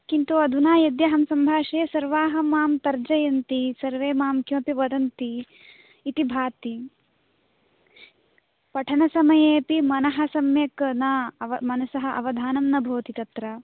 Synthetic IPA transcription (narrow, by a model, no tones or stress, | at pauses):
kint̪uɐd̪ʱunaːjɐd̪jɐɦɐmsɐmbʱaːʃeːsɐɾʋaːɦɐmaːmt̪ɐɾd͡ʒɐjɐnt̪isɐɾʋeːmaːmkjoːpiʋɐd̪ɐnt̪iː | t̪ibʱaːt̪i | pɐʈʰɐnɐsɐmɐjeːpimɐnɐɦɐsɐmjɐknaʋɐmɐnɐsɐɦɐ̆ʔɐ̰ʋɐd̪ʱaːnɐmnɐbʱoːt̪it̪ɐt̪ɾɐ